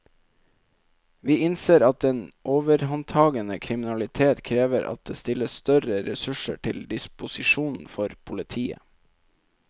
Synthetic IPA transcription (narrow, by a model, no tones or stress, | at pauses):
ʋiːɪnseːɾɑt̪̚eːnʔoːʋəɾhɑnt̪ʰɑːɡənəkʰɾɪmɪnɑlɪt̪ʰeːt̪kʰɾeːʋəɾʔɑ̰t̪̚d̪eːst̪ɪləsst̪œɾəɾɛsʉʂə̰ʈʰɪld̪ɪspʊsɪʃuːnn̩fɔɾpʰʊlɪt̪ʰiːə̰